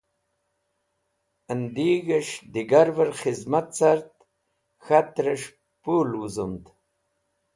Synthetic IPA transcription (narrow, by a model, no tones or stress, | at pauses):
ənd̪iːɡəʂd̪iɡaɾvəɾxizmat̪saɾt̪ | xat̪ɾəʂ | pulwuzumd̪